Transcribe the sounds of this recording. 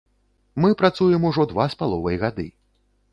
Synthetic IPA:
mɨpɾat̪sujɛmuʐɔd̪vaspalˠɔvɐjɣad̪ɨ̰

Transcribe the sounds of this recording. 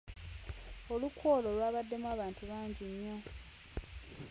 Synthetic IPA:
o̞lukwoːlo̞lwaːβadːe̞mwaːβaːntuβaːɲɟiɲːo

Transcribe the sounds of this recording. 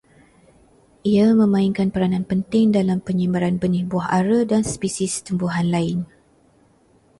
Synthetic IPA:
ʔiamə̃mãiŋkanpəɾanãnpənt̪ɪŋdalampəɲimbaɾanbənihbuaɦaɾədanspisist̪əmbuɦanlaɪn

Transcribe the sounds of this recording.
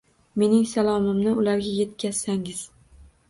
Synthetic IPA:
me̞nɪŋsalˠɒmɪmnɪʊlaɾɡʲaje̞t̪̚kʲʰaz̥saŋɪz̥

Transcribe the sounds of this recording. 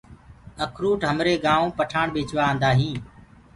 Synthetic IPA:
əkʰɾuːʈɦəmɾeːɡãːʋõːpəʈʰaːɳɓeːt͡ʃʋãːnd̪aːɦĩː

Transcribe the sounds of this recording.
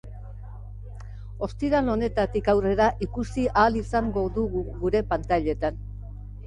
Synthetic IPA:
o̞st̪iðalo̞ne̞t̪at̪ikawre̞ɾaʔikusiʔaːlisaŋɡo̞ðuɣuɡuɾe̞pant̪aʎe̞t̪an

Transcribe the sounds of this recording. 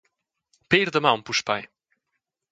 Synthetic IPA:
pejɾd̪ɐmɐ̃w̃puʃpa̰j

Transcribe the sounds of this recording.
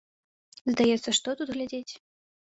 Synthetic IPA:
zd̪ajɛt̪sːɐʂt̪ɔt̪ud̪ɣlʲad͡zʲet͡sʲ

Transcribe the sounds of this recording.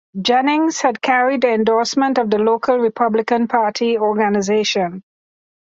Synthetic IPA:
d͡ʒɛnɪ̃ŋz̥hæd̚kʰæɹiddiɛ̃ndɔːsmə̃nʈɔʋd̪əloːkʰəlɹɪpʰʌblɪkə̃npʰaːʈʰiɔːɾɡanɪzeːʃə̃n

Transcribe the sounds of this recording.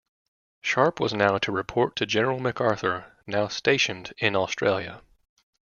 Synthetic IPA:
ʃɑɹpwʌznaʊɾɨɹɨpʰɔɹtʰɨd͡ʒɛnə˞l̩ˠmɨkɑɹθə˞naʊsteɪʃɨ̃ndɪ̃nɔstɹ̥eɪlˠjɨ̰

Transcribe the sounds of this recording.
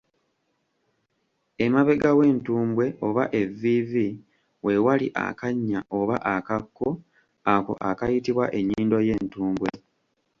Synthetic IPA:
e̞maβe̞ɡawe̞ːntuːmbwe̞o̞βaʔe̞vivi | we̞walḭʔa̰kaɲːaʔo̞βa̰ʔakakːo̞ | ako̞̰ʔakajitiβwaʔe̞ɲːiːndo̞je̞ːntuːmbwe̞

